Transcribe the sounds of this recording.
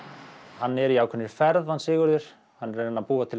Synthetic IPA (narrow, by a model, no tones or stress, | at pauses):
hanːɛɾiaːwkʰɛnːɪɾ̥fɛɾðhansɪːɣʏɾðʏɾ̥ | hanːɛɾenːaðpuːat̪ʰɪl